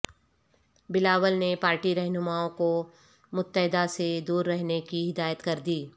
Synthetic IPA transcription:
bɪlaːʋəlnepaːɾʈiɾɛɦnʊmaːõko | mʊt̪ːəɦɪd̪ased̪uːɾːɛɦnekiɦɪd̪aːjət̪kɐɾd̪iː

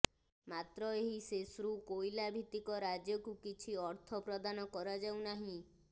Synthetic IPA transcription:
mat̪ɾɔeɦisesɾukojlabʱit̪ikɔɾad͡ʒjɔkukit͡ʃʰiɔɾt̪ʰɔpɾɔd̪anɔkɔɾad͡ʒawnaɦĩ

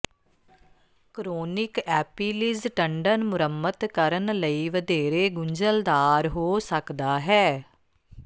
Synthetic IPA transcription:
kɾoːnɪkɛːpiːlɪzʈəɳɖənmʊɾəmːət̪kəɾənləiːʋəd̪eːɾeːɡʊɲd͡ʒəld̪aːɾɦoːsəkd̪aːɦɛː

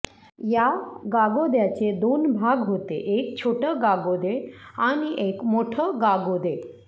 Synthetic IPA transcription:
jaɡaɡod̪jat͡ɕed̪onbʱaɡɦot̪eʔekt͡ɕʰoʈəɡaɡod̪eaɽ̃iʔekmoʈʰəɡaɡod̪e

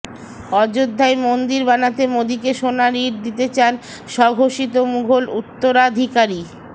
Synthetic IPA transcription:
ɔd͡ʑod̪ʱːaemond̪iɾbanat̪emod̪ikeʃonaɾiɾ̚d̪it̪et͡ɕan | ʃɔɡʱoʃit̪omuɡʱolut̪ːoɾad̪ʱikaɾi

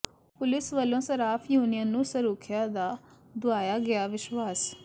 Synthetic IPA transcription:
pʊlɪsʋəlːõːsəɾaːpʰjuːnɪjənːũːsəɾuːkʰɪjãːd̪aː | d̪ʊaːjaːɡɪaːʋɪʃʋaːs

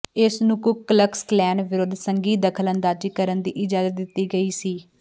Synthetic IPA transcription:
ɪsnũːkʊkːələksklɛːnʋɪɾoːd̪ʱsəŋɡiːd̪əkʰələnd̪aːd͡ʒiːkəɾənd̪iːʔɪd͡ʒaːzət̪̚d̪ɪt̪ːiːɡəiːsiː

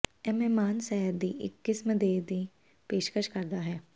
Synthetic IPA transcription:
ɛmɛmaːnsɛːɦəɾd̪iːʔɪ̰kːɪsməd̪eːd̪iː | peːʃkəʃkəɾd̪aɦɛː

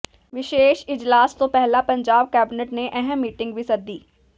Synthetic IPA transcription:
ʋɪʃeːʃɪd͡ʒlaːst̪opɛɦlapɐ̃ɲd͡ʒaːb̚kɛːbɪneʈneʔɛɦɛ̃mːiːʈɪ̃ŋɡbʱisɐɾd̪iː

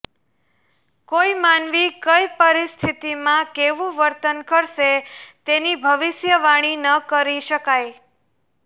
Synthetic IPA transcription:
koimanʋikəjpəɾist̪ʰit̪imãkeʋũʋəɾt̪ənkəɾʃet̪enibʱəʋɪʃjəʋaɽ̃inəkəɾiʃəkaj

